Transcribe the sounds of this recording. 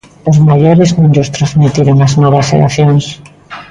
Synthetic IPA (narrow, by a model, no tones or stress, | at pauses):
lozmaʝoɾeznũnʎost̪ɾazmit̪iɾoŋaznoβasḛla̰θjons